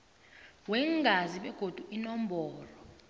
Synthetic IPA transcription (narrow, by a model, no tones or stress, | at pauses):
wɛŋɡʱaziɓɛɡ̥ʱod̥ʱuʔinɔm̩bɔːlɔ